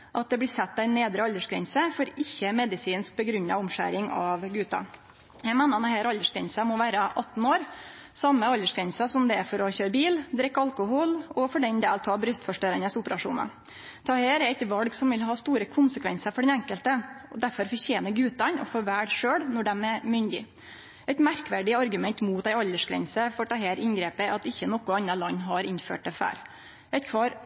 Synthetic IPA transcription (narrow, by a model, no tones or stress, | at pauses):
ʔɑt̪̚d̪ɛblɪːsɛt̪̚ːd̪æɪneːd̪ɾəɑlːəʂɡɾɛ̰nsəfɔɾɪçːəmɛd̪ɪsiːnsk̚bəɡɾʉnːɑ̰ʊmʂæ̰ɾɪŋɑʋɡʉːt̪ɑ̰ | jæɡmeːnəɑnəheːɾɑlːəʂɡɾɛnsəmɔʋæːɾəʔɑt̪ːn̩oːɾ | sɑmːəɑld̪əʂɡɾɛnsəsɔmd̪ɛæfɔɾɔçøːɾbiːld̪ɾɛkːɑlkʊhʊlɔfɔɖɛnd̪eːlt̪ʰɑːbɾʏst̪fɔʂʈøːɾənəsʊpəɾɑʂṵːnɑ̰ | t̪ʰɑheːɾɛɾɛɪt̪ʋɑlɡsɔmʋɪlɦɑːst̪uːɾəkʰʊnsəkʰʋɛnsəɾfɔɖɛnæŋkəlt̪əɔd̪æɾfɔɾfɔɾçeːnəɡʉːt̪ɑnɔ̰fɔːʋæːɽʂøːɽnɔɖɛmɛɾmʏnd̪ɪ̰ | ɛɪt̪mæɾkʋæɖɪɑɾɡʉmɛnt̪muːt̪æɪɑlːəʂɡɾɛ̰nsəfɔʈʰɑɦeːɾʔɪnɡɾeːpəʔɑt̪ɪçːənɔkʊɑnːɑlɑnːɦɑɾɪnfø̰ːʈ̪̚ɛfæ̰ːɾ | ɛɪt̪kʰʋɑːɾ